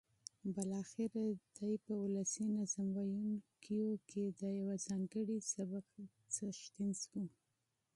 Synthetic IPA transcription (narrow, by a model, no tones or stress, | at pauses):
bɪlɑxɪɾad̪̥ajpəulasinazamwajunkʰijokʰed̪əjawazɑŋɡəɽisaba | t͡səʃt̪insku